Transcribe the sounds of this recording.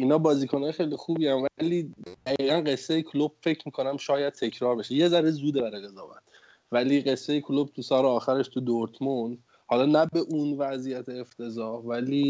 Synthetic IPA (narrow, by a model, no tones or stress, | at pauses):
iːnhɒːbɒːziːkʰonɒːjee̞jlixuːbiːænvæliːd̪̥æɣiːɣænɢe̞sːejekʰolob̥̚fe̞cʰmiːkʰo̞næmʃɒːjæd̪̥̚t̪ʰe̞cʰɾɒːɾbe̞ʃeje̞zæɾezuːd̪ebæɾejɣezɒːvæ̰t̪̚ʰ | væliːɢe̞sːejekʰolob̥̚t̪ʰusɒːɾeɒːxæɾeʃt̪ʰud̪oɾt̪ʰmond̪ | hɒːlɒːnæbe̞ʔunvæzijæt̪ʰeːft̪ʰe̞zɒːvæliː